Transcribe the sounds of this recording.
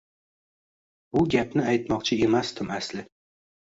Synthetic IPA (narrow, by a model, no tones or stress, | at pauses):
bʊɡʲapnɪajt̪mɒqt͡ʃʰɪe̞masd̪ɪmaslɪ